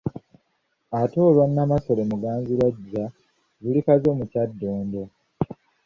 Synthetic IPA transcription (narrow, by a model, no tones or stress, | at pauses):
ato̞ːlwanːamaso̞lemuɡaːnziɾaɟːa | zulikazo̞ːmucadːoːndo